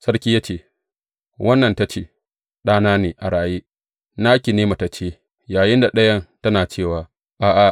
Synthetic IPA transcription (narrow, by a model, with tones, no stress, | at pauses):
sɐ˦ɽkʲiː˦jaː˦t͡ʃeː˦˨ | wʔɐ˦nːɐ˨nta˦t͡ʃeː˦ | ɗaː˦naː˦neː˨ʔa˨ɽaː˨jeː˦ | naː˦kʲi˨neː˦ma˨ta˨t͡ʃeː˦ | jaː˨jɪ˦nda˨ɗɐ˦jɐ˦ntɐ˦naː˨t͡ʃeː˦˨waː˨ | ʔaː˨ʔa˨